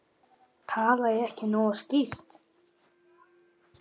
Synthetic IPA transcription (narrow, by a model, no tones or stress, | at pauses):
t̪ʰaːlaɪɛhcɪnɔːɣascift̪